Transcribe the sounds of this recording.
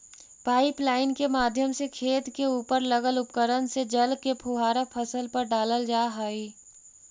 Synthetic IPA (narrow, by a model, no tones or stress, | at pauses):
paːɪplaːɪnkemaːd̪ʱjəmsekʰeːt̪keuːpəɾləɡəlʊpkəɾənsed͡ʒəlkepʰuɦaːɾapʰəsəlpəɾɖaːləld͡ʒaːɦaːi